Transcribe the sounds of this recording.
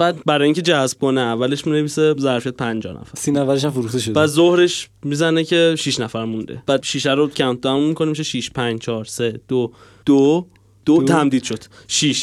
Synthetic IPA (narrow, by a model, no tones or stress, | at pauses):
b̥æd̪̚bæɾɒjiːŋcʲʰe̞d͡ʒæsb̥̚koneævːæleʃminevisezæɾfiæt̪̚pʰænd͡ʒɒ̰ːnʔæ̰fæɾsinæfæɾeʃ̬æmfoɾuxt̪eʃod̪bæd̪zohɾeʃ | mizænecʰe̞ʃiʃnæfæɾmund̪ḛb̥æːd̪ʃiʃæɾocʰæmt̪ʰæmummikʰo̞nemiʃeʃiʃpʰænd͡ʒt͡ʃʰɒːɾse̞d̪̥o | d̪̥o | d̪̥ot̪ʰæmd̪iːd̪ʃod̪̥ʃiʃ